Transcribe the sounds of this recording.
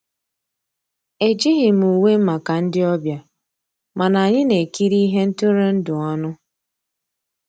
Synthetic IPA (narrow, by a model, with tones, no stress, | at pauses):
e˨d͡ʒi˦ɦɪ˨m̩˨u˨we˦m̩˦ma˨ka˨n̩˦dɪ˦ɔ˦bja˨ | ma˨na˨ɲɪ˦ne˨ki˦ɾi˦ɦe˦n̩˦tʊ˦ɾe˦n̩˦dʊ˨ɔ˦nʊ˦